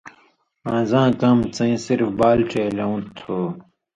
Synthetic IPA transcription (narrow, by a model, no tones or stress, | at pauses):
ãːzãːkɐmt͡sɐ̃ĩsiɾfbaːlʈeːlɐũt̪ʰːoː